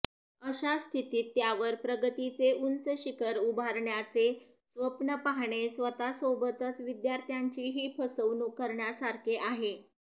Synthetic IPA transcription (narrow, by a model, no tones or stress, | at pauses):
əɕast̪ʰit̪iːt̪ːjaʋəɾpɾəɡət̪it͡seʔunt͡səɕikəɾubʱaɾɳjat͡se | sʋəpɳəpaɦɳesʋət̪asobət̪ət͡sʋid̪jaɾt̪ʰjaɲt͡ɕiːɦiːpʰəsəʋnuːkːəɾɳjasaɾkʰeʔaɦe